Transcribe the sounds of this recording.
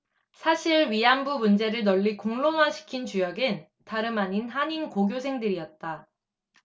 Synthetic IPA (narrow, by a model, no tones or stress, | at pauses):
sʰaɕʰiɭɥiambumund͡ʑe̞ɾɯɭnʌʎːikoŋɭomaɕʰi̥kʰint͡ɕujʌɡɯn | taɾɯmaɲinɦaɲinkoɡjosʰe̞ŋdɯɾiʌt̚t͈a